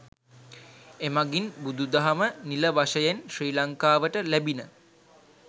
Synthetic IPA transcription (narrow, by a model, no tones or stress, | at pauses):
emaɡinbud̪ud̪aɦaməniləʋaʃəjenʃriːlaŋkaːʋəʈəlæbinə